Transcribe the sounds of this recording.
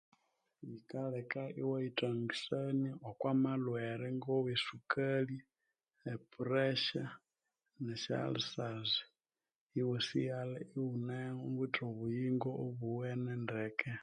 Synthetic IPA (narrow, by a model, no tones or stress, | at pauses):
ikʼalɛkʼaiwaitʼaŋɡisaniokwamalweɾɛŋɡoβisukʰʼali | epuɾeʃa | nɛʃa̰lisazi | iwesijalɛiwuneuβutʰʼoβujiŋɡoʔoβuwɛnɛndɛkʼɛ